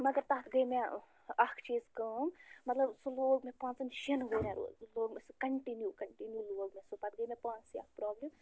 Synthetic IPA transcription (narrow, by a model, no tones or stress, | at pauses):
mɐɡɐɾt̪at̪ʰɡəjme | ɐkʰt͡ʃiskəmmɐt̪lɐbsoloːɡmẽpãːnt͡sɐnʃinɦoɾẽɾṵloːɡmeskɐɳʈinjukɐɳʈinjuloːɡmesopat̪̚ɡəjmepãːt͡siɐ̰k̚ʰpɾɔːblim